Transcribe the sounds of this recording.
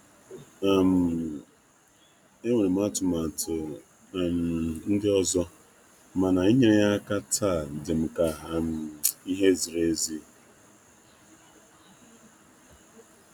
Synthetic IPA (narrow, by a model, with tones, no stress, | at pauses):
a˨m̩˨ | e˦ŋʷe˨ɾe˨m̩˦a˦tʊ˨ma˨tʊ˨ | m̩˨n̩˦dɪ˦ɔ˦zɔ˦ | ma˨na˨i˦ɲe˦ɾe˦ja˦ka˦tʰa˦˨dɪ˨m̩˨ka˨ɦa˨m̩˨i˦ɦe˦zi˨ɾe˦zi˦